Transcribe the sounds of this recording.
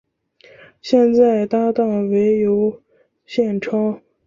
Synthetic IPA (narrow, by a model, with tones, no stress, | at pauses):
ɕjɛ˥˧nt͡sa˥˩ɪt̪a˥t̪ɑ˥˩ŋwe˧˥ɪjo˧˥ʊ | ɕjɛ˥˩nʈ͡ʂʰɑ˥ʊ